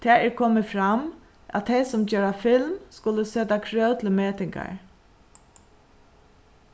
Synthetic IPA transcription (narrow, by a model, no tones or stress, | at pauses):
t̪ʰɛːɹɛɹkʰɔmɪfɾam | ʔæa̰t̪ʰːeɪsɔmd͡ʒøːɹafɪlmskʊlːəsøːt̪akʰɹœːwt̪ʰllmeːt̪ɪŋka̰ɹ